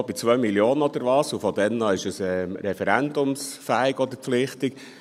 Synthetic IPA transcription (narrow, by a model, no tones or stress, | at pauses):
bit͡sʋœɥmiljoːnəɔd̪əɾʋɑːsufɔd̥̪ɛnːɑɪʃəsɛɾɛfɛɾænd̪ʊmsfæːɪɡɔd̥̪əɾpflɪχt̪ɪk